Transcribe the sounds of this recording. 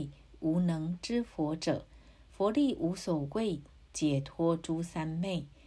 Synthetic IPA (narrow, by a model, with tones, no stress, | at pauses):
u˧˥nɤ˧˥ŋʈ͡ʂɻ̩˥fwɔ˧˥ʈ͡ʂɤ˨˩ | fwɔ˧˥li˥˩ʔu˧˥so˨˩ʊwe˥˩ɪ | t͡ɕjɛ˨˩t̪ʰwɔ˥ʈ͡ʂu˥sa˥nme˥˩ɪ